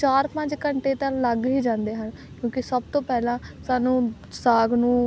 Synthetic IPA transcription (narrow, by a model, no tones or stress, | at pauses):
t͡ʃaːɾpə̃ɲd͡ʒkəɳʈeːt̪ãləɡɦiːd͡ʒãːnd̪eːɦən | kjõːkɪsəb̚t̪õːpɛːlãːsaːnũː | saːɡnũː